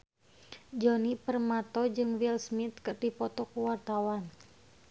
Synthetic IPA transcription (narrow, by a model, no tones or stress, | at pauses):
d͡ʒɔnipərmat̪ɔd͡ʒɨŋwilsmit̪̚kɨrdipɔt̪ɔkuwart̪awan